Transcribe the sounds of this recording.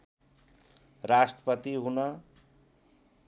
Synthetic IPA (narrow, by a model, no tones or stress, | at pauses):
rasʈrʌpʌt̪iɦunʌ